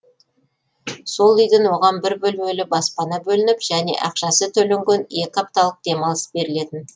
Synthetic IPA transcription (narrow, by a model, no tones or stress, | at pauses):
so̞lˠʏjd̪ɪnwo̞ʁɑnbɪɾbɵlmelɪbɑspɑnɑbɵlɪnɪpʒ̥æne̞̰ʔɑqʃɑsət̪ʰɵleŋɡʲene̞kʲɑp̚t̪ɑlˠəq̚d̪̥e̞mɑlˠəsbe̞ɾɪle̞t̪ɪn